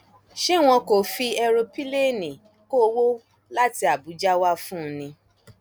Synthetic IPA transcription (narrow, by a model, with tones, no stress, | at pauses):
ʃe˦˨w̃ɔ̃˧ko˨fi˧ɛ˧ɾo˧pi˦le˦˨nĩ˨ | ko˦wo˦ | la˦ti˧a˨bu˨˦d͡ʒa˦wa˦fũ˦nĩ˧